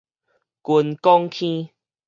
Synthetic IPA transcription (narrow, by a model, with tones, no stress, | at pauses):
ku˧nkɔ˦ŋkʰĩ˦